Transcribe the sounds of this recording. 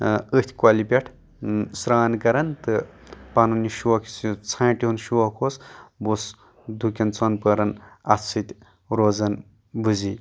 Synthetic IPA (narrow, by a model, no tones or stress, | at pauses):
ət̪ʰʲkwaːlipʲeʈʰ | sɾaːnkɐɾɐnt̪ɨpɐnuniʃuɐkʰst͡sʰãːʈiɦunʃuɐkʰosbos | d̪ʱukʲɐnt͡sʰonpɐɾɐnɐ̰t͡sʰɨt̪ʲ | ɾozɐn | bɨzi